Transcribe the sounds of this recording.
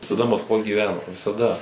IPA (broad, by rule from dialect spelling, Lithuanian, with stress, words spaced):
ʋʲɪsɐˈdɐ mɐskˈʋoːj ɡʲiːˈʋʲæːnoː ʋʲɪsɐˈdɐ